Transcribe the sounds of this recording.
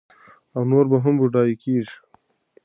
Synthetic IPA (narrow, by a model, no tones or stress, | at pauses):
awnoːɾbɐɦɐmbuɖɑːjikiːʐi̥